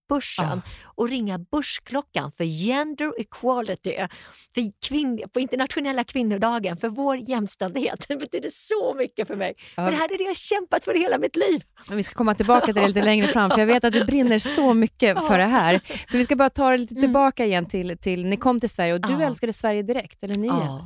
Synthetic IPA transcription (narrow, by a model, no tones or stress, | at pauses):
b̥ɵʂːə̰nɔɾɪŋːabɵʂkʰlɔkːa̰nfœɾjɛnd̪əɾɪkʰwɑlɪt̪ɪ̰fɪkʰvɪnpʰɔɪnt̪əɳat̪ɧʊnɛlːakʰvɪnːʊɖɑːɡənfœɾvoːɾjɛmːst̪ɛnd̪ɪhḛːt̪ɛbɛt̪yːd̪əsɔmʏkːəfœɾmɛjɔdɛɦæːɾæɖɛjahaɕɛmpat̪fœɾheːlamɪt̪liːv | vɪskḁkʰɔmːat̪ʰɪlbɑːkat̪ɪd̪ɛliːt̪əlɛŋɾəfɾamːfœɾjaɡveːt̪at̪̚d̪ɵbɾɪnːəɾsɔmʏkːəfœɖɛɦæːɾmmɛnvɪskabɑːɾat̪ʰɑːd̪ɛliːt̪ət̪ʰɪlbɑːkaɪjɛnːt̪ʰɪlt̪ʰɪlnɪkʰɔmːt̪ʰɪlsvæɾjəɔd̪ɵɛlskad̪əsvæɾjəd̪ɪɾɛkt̪ɛlːəɳi